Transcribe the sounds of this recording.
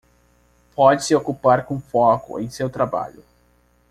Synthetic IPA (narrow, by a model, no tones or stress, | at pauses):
pɔd͡ʒɪsɪokupaɾkõfɔkʊ̰ḛ̃j̃sewt̪ɾaba̰ʎʊ